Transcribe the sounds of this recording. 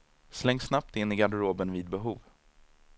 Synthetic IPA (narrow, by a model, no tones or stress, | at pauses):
slɛŋːsnap̚t̪ɪnːɪɡad̪ɾoːbənviːd̪̚bɛɦuːv